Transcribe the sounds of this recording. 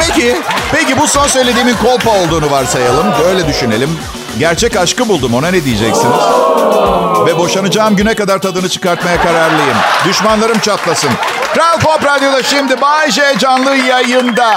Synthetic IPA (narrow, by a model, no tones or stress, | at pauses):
pecipecibuso̞nsø̞jlʲe̞d̪iːminkʰo̞lˠpao̞lˠd̪uːnuvaɾsajalˠɯmbø̞jlʲɛd̪yʃyne̞̰lʲim | ɟæɾt͡ʃʰɛcaʃkɯbulˠd̪umo̞nanɛd̪ijed͡ʒɛ̰csiniz̥ | vɛbo̞ʃanɯd͡ʒaːɯmɟynɛkad̪aɾt̪ʰad̪ɯnɯt͡ʃʰɯ̥kaɾt̪majakaɾaɾlˠajɯmd̪yʃmanlˠaɾɯmt͡ʃʰat̪lˠasɯnt̪ɾavlˠpopɾad̪jod̪aʃimd̪ibaʒed͡ʒanlˠɯjajɯnd̪a